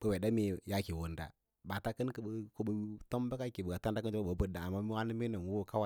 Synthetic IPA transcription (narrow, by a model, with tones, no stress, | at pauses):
bə˦we˨da˦mi˦ja˦ki˨wo˨nda̰˨ | ba˨ta˦kə˦nkə˨bə˨ko˦bə˨˦to˦mba˦ka˦ki˨bə˨ɡa˨ta˦nda˦kə˦a˦ba˨˦bə˨da˨a˨mːa˦mi˦wa˦ni˦mi˦no˨nwu˦wo˦ka˦wa˦